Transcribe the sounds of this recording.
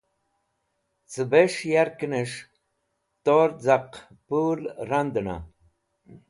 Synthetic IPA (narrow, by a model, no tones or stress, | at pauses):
t͡sɨbeʂjaɾkinəʂ | t̪oɾd͡zaq | pulɾand̪əna̰